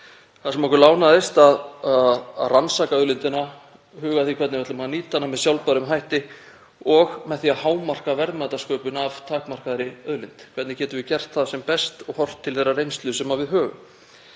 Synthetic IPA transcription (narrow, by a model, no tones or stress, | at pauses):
θaðsɛmɔkʏlaːwnaðɪst̪aðaaðransaːkaœðlʏnt̪ɪna | hʏːɣaθikʰvɛɾt̪nɪɛt̪lʏmhaniːt̪ːanːamɛðsjawlpaɾʏmɦajht̪ɪ | ɔɣmɛðθiahaːwmar̥kavɛɾðmaːt̪askœːɥpʏnavt̪ʰaːkmar̥kaðɾɪœðlʏnt̪kʰvɛɾt̪nɪcɛːt̪ʏɾvɪcɛr̥t̪θaðsɛmpɛst̪ɔɣhɔr̥t̪ʰːɪlθejrːarejnst̪lʏsɛmavɪðɦœːɣʏ̰m